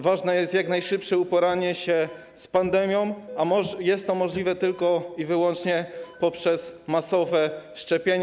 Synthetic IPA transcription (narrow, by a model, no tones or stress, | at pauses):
vaʐnɛjɛst̪jaknajʂɘpʂɛupɔɾaɲɛɕɛ | spand̪ɛmʲjɔ̃w̃amɔjɛst̪ːɔmɔʐlʲivɛt̪ɘlkɔivɘwɔnt͡ʂɲɛpɔpʂɛsmasɔvɛʂt͡ʂɛpʲjeɲ